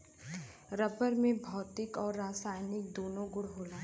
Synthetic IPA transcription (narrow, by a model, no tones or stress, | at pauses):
ɾɐpəɾmẽbʱɔːt̪ɪkɔːɾːaːsaːɪnɪk̚d̪oːnõɡʊɽɦoːlaːɦ